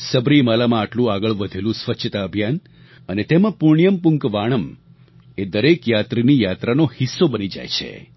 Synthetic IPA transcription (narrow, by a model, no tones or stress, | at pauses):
səbɾimalamãːʈlũaɡəɭʋəd̪ʱelũsʋət͡ʃʰət̪aəbʱjan | ənet̪emãpuɾɳijəmpuŋkʋaɽ̃əm | ed̪əɾekjat̪ɾinijat̪ɾanohisːobənid͡ʒa̰jt͡ʃʰḛ